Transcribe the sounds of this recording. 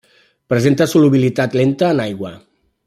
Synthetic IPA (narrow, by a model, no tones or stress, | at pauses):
pɾəzent̪əsuluβilit̪at̪lent̪əːnajɣwə